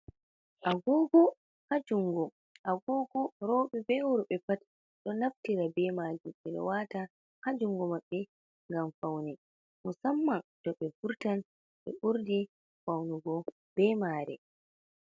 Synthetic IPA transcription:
ʔaɡoːɡɔ | had͡ʒuŋɡɔ | ʔaɡoːɡɔɾɔɓɛbɛwuɾuɓɛpat | ɗɔnaftiɾabɛmaːd͡ʒumɛɗɛ̰wata | had͡ʒuŋɡɔmaɓːɛ | ŋɡamfawnɛ | musamːadɔɓɛfuɾtan | ɓɛ̰ʔuɾdi | fawnuɡɔ | b̥ɛmaːɾɛ̰

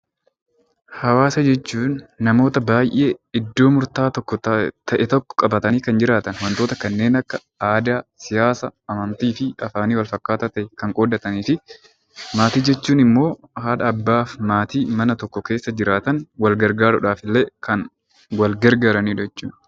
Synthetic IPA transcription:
hɐwaːsɐd͡ʒɛt͡ʃːuːnːɐmo̞ːt̪ɐbaːjʔe̞ːɪd̪ːo̞ːmʊɾt̪aːt̪ɔkːɔt̪ʰɐʔɛt̪ɔkːɔ̥kʼɐbɐt̪ɐniːkɐnd͡ʒɪɾaːt̪ɐnwɐnt̪o̞ːt̪ɐkɐnːe̞ːnɐkːɐ | aːd̪aːsɪjaːsɐʔɐmɐnt̪iːfɪɐfaːniːwɐlfɐkːaːt̪ɐt̪ɐʔɛkɐŋkʼoːd̪ɐt̪ɐniːfɪ | maːt̪iːd͡ʒɛt͡ʃːuːnɪmːo̞ː | haːᶑɐːbːaːfmaːt̪iːmɐnɐt̪ɔkːɔke̞ːsːɐd͡ʒɪɾaːt̪ɐnwɐlɡɐɾɡaːɾʊᶑaːfɪlːeːkɐn | wɐlɡɐɾɡaːɾɐniːᶑɛt͡ʃːuːn

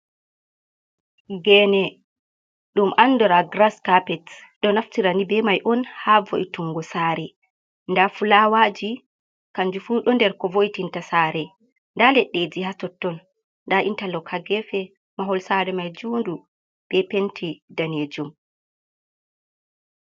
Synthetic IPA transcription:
ɡɛnɛ | ɗumʔanːdɔɾaɡɾaskapɛtɗɔnaftiɾanibɛmajʔɔnhavo̰ʔjituŋɡɔsaɾɛ | ndafulawaːd͡ʒi | kaɲd͡ʒufuɗɔndɛɾkɔvojtintasaːɾɛ | ndalɛɗːed͡ʒihatɔtːɔn | nːdaʔintalɔkʰaɡɛfɛ | maɦɔlsaɾɛmajd͡ʒuːndu | ɓɛpentʰidaneːd͡ʒum

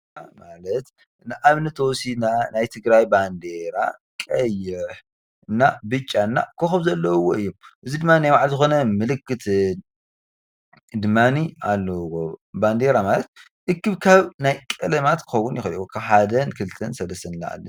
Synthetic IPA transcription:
malɐt̪ | nɨʔaβnɐt̪ʰosinanajt̪ʰɨɡɾajband̪eɾa̰ | kʼɐjɪħ | nːabɨt͡ʃʼːanːa̰kʰoxɐβzɐlːɐwoɨjːumʔɨzid̪ɨmːanajwaʕlzɨxo̞nɐmɨlɨkːɨt̪ʰɨ | d̪ɨmːaniʔa̰lːɐwoband̪eɾamalɐt̪̚ | ʔɨkːɨβkʰaβnajkʼɨlɐmat̪kʰɨxowːʊnjɪxɐjukʰaβħad̪ɐnkʰɨlɨt̪ʰɐnsɐlɐst̪ʰɐnɨlːa̰a̰lːɐ̰

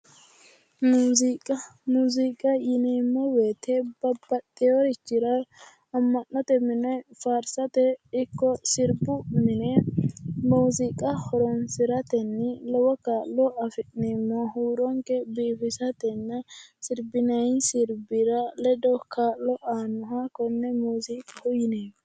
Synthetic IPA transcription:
muːzkʼɐmuːzikʼɐjɪniːmːɔweːt̪ɛb̥ɐbɐt̪ʼːɪjɔɾɪt͡ʃːɪɾɐ | ɐmːɐnːɔt̪ɛmɪnɔjfaːɾsɐt̪ɛɪkːɔsɪɾbʊmɪnɛ | muːzɪkʼɐhɔɾɔnsɪɾɐt̪ɛnːɪlɔwɔkaːlːɔʔɐfɪneːmːɔhuːɾɔŋkɛbiːfɪsɐt̪ɛnːɛsɪɾbɪnɐɪnsɪɾbɪɾɐlɛd̪ɔkʰaːlːɔʔaːnʊɦakɔnːɛmuːziːkʼɐhʊjɪneːmɔ

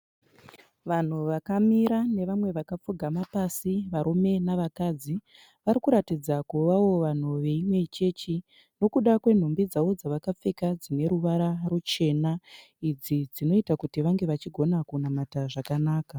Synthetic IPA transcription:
ʋan̤uʋakamiɾane̞ʋamwe̞ʋakap͡fuɡʱamapasiʋaɾome̞naʋakaːd͡zi | ʋaɾikuɾatid͡zakuʋawo̞ʋan̤uʋe̞imwe̞t͡ʃe̞t͡ʃi | no̞kuɗakwe̞n̤ombid͡zawo̞d͡zaʋakap͡fe̞kad͡zine̞ɾuʋaɾarut͡ʃe̞na | id͡zid͡zino̞itakutiʋaŋɡe̞ʋat͡ʃiɡʱo̞nakunamataʐakanaːka

